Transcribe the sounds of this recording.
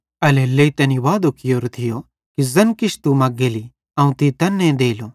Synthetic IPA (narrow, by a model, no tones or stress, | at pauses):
ɐlelːeit̪ɐniʋaːd̪okɪjoːɾt̪ʰɪjo | kizɐnkɪʃʰt̪umɐɡːeːli | ɐũt̪it̪ɐnːẽd̪eːlo